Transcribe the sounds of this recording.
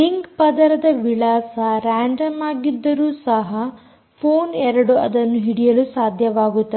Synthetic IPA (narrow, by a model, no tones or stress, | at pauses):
liŋɡpɐd̪ɐɾɐd̪ɐʋiɭaːsɐɾaːɳɖɐmaːɡid̪ːɐɾuːsɐɦɐ | pʰoːnɛɾɐɽuɐ̰d̪ɐnːuɦiɽijɐlusaːd̪ʱjɐʋaːɡut̪ːɐ